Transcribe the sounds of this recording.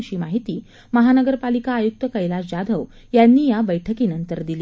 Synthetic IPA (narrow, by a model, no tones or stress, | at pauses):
ɕiːmaɦit̪iː | məɦanəɡəɾpalikaːjuk̚t̪əkəjlad͡ʑad̪ʱəʋ | janːiːjabəjʈʰəkiːnənt̪əɾd̪iliː